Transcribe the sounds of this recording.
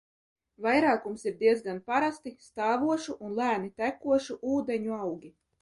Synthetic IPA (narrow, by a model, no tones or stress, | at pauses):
vajɾɑːkumsiɾd̪iɛzɡanpaɾast̪ist̪ɑːvuɔʃuʔunlˠæːnit̪ækuɔʃuʔuːd̪ɛɲuawɡʲi